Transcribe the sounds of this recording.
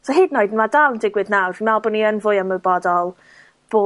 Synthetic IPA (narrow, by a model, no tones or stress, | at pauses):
sɔɦeːdnoɨdnmadawndɪɡwɪdnawrinmɛlˠbʊniənvʊjəməbɔdɔlˠ | b̥oː